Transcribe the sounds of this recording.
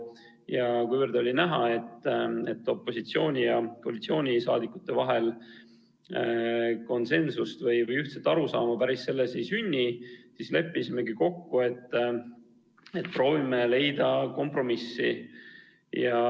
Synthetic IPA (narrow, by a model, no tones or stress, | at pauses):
jɑkujvərd̪o̞lʲinæɦɑe̞t̪ːˑet̪ːo̞pːˑo̞sit̪sio̞ːnʲijɑko̞ːlit̪sio̞ːnʲisɑ̰ːd̪ikːˑu̥t̪ːe̞vɑɦe̞l | ko̞nse̞nsust̪vɤjvɤjyht̪set̪ːˑɑɾusɑːmɑpæɾisːe̞lːese̞jsynʲːisisle̞pˑːisime̞ɡiko̞kːue̞t̪ː | e̞t̪̚pro̞ːvimele̞jd̪̥ɑko̞mpro̞misːḭ | jɑ